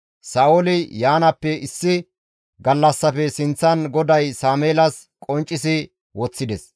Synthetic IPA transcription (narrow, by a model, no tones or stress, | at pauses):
saːolɪjaːnɐpːɛɪsːɪ | ɡɐlːɐsːɐfɛsɪnt͡sːɐnɡɔd̪ɐjsaːmeːlɐs | kʼɔnt͡ʃʼːɪsɪ | wɔt͡sːɪd̪ɛs